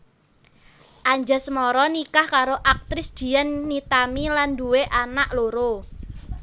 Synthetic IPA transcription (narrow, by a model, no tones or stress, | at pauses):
ʔaɲd͡ʒa̤smɔɾɔnikahkaɾoʔak̚t̪ɾɪsd̪̥i̤janːit̪amilanduweʔanaʔloɾo